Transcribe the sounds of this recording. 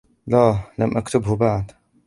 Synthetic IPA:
laːlamʔakt̪ʊbhʊbaʕd̪

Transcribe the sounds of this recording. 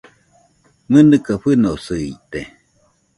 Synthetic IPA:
mɨnɨkaɸɨnosɨiʔt̪e

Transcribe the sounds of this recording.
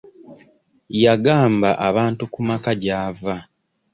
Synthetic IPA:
jaɡaːmbaʔaβaːntukumakaɟaːva

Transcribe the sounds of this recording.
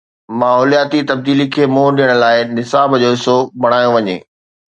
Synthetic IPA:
maːɦɔːlijaːt̪it̪ɐb̚d̪iːlikʰeːmoːɗɪjəɽ̃laːɪnɪsaːbd͡ʑoːɦɪsobʱɐɽ̃aːjõʋɐɲḛː

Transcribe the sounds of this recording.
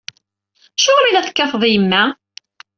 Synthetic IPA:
æʃʊʁmilæθə̥kːɑfəðˤjəmːæ

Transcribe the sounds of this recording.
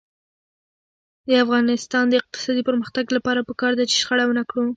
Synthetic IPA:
d̪əafɣɑnɪst̪ɑnd̪əɪq̚t̪ɪ̥sɑd̪ipəɾməxt̪aɡlapɑɾapəkɑɾd̪at͡ʃe̥ʃxaɽawənakɽu

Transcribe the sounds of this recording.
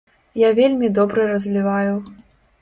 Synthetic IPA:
javʲelʲmʲid̪ɔbɾɨɾɐzʲlʲivaju

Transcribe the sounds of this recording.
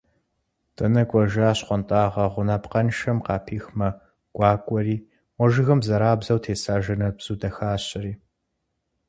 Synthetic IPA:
tʼɐnɐkʷʼɔʒaːɕqʷɔntʼaːʁɐʁʷʊnaːpqɐnʃɐmqɑːpʰiːxmɐ | ɡ̥ʷʼɑːkʷʼɔɾiː | wʷɔʒɨɣɐmzɐɾaːbzɐwtʰeːsaːʒɐnɐbz̥uːdɐxaːɕɪɾiː

